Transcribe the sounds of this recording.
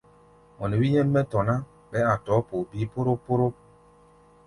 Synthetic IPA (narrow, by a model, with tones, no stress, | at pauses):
mɔ˨nɛ˨wi˦jɛ˦mːɛ˦tɔ˨na˦ | ɓɛ˦a˨tɔ˨˦po˨pi˦po˦ɾo˦pːo˦ɾo˦